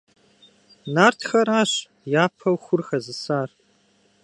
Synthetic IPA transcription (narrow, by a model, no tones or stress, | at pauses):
naːrtʰxɐɾaːɕ | jaːpʰɐwxʷʊrxɐzɨsaːr